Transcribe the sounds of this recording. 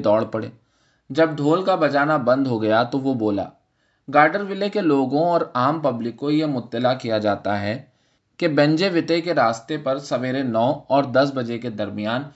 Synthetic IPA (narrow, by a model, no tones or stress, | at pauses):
d̪ɔːɽpɐɽḛː | d͡ʒɐb̚ɖʱoːlkabɐd͡ʒaːnabɐ̃nd̪ʱɦoɡɐjat̪oʋoboːla̰ː | ɡaːɾɖəɾʋɪlekeloːɡõɔːɾaːmpɐblɪkːoijemʊt̪ːəlakijad͡ʒaːt̪aɦɛ | kebɛ̃ɲd͡ʒeʋɪt̪ekeɾaːst̪epɐɾsɐʋeːɾenɔːɦɔːɾd̪ɐs̬bɐd͡ʒeked̪ɐɾmɪjaːn